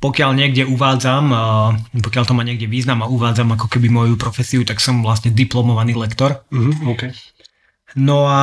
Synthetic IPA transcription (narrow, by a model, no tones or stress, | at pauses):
pɔkɪalɲɪɛɡɟɛuʋaːd͡zam | pɔkɪalt̪ɔmaɲɪɛɡɟɛʋiːznamauʋaːd͡zamakɔkɛbimɔjupɾɔfɛsiut̪aksɔmʋlast̪ɲɛd̪iplɔmɔʋaniːlɛkt̪ɔɾk | nɔa